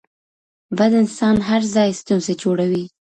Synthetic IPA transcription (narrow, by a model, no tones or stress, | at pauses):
bad̪ɪnsɑnɦaɾzɑjst̪unzed͡ʒoɽawi